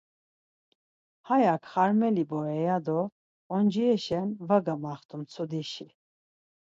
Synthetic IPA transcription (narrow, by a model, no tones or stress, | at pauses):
hajakʰχaɾmɛlibɔɾɛjad̪ɔ | ɔnd͡ʒiɛʃɛnvaɡamaχt̪ʰumt͡sʰud̪iʃi